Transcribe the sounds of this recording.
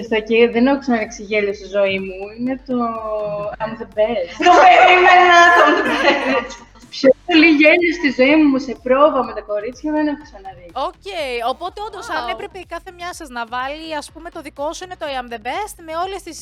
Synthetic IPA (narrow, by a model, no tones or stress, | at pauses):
st̪oceðenoxusɐnɐɾiksiʝeʎost̪izo̞imuinet̪o̞ | ɐmðebest̪t̪opeɾimenɐt̪o | pçopoliʝe̞ʎost̪izo̞imumusepɾo̞vɐmet̪ɐko̞ɾit͡sçɐðenexu̥sɐnɐɾioceiopo̞t̪eond̪osɐnepɾepeikɐθe̞mɲɐsɐznɐvɐliɐspume̞t̪oðiko̞suinet̪oɐmðebest̪me̞o̞lest̪is